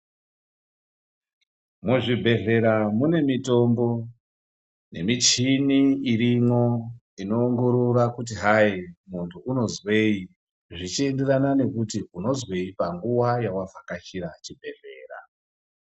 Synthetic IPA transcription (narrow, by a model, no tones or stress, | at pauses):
muʐibʱe̞ɮe̞ɾamune̞mito̞mbo̞ | ne̞mit͡ʃiniiɾimo̞ | ino̞ːŋɡo̞ɾurakut̬iɦaimuntʰuuno̞zwe̞i | ʐit͡ʃie̞nderanane̞kutiuno̞zwe̞ipaŋɡuwajawavʱakat͡ʃiɾat͡ʃibʱe̞ɮe̞̰ːra̰